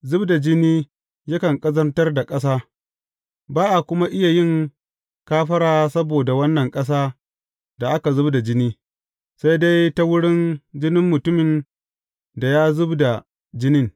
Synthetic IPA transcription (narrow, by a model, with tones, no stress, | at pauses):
zʊ˦bda˨d͡ʒɪ˦niː˦ | jɐ˦kɐ˨ŋkʼɐ˦zɐ˦rtɐ˦rda˨kʼɐ˦s̬aː˦ | baː˦ʔa˨kʷʊ˦ma˦ʔɪ˦ja˨jɪ˦˨ŋ | kaː˦ɸɐ˦ɽaː˦sɐ˦boː˨da˨wɐ˦nːɐ˨ŋkʼɐ˦s̬aː˦ | da˨ʔa˦ka˨zʊ˦bda˨d͡ʒɪ˦niː˦ | sa˦jda˦jta˦wʊ˦ɽɪ˦nd͡ʒɪ˦nɪ˦mːʊ˨tʊ˦mɪ˨n | da˨jaː˦zʊ˦bda˨ | d͡ʒɪ˦nɪ˦ŋ